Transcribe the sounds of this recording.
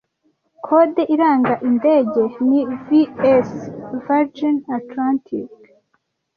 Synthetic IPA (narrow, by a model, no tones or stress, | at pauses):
kʰodeʔiɾaːŋɡaʔinde̞ːɟe̞niviesvaɾd͡ʒinatlantʰḭk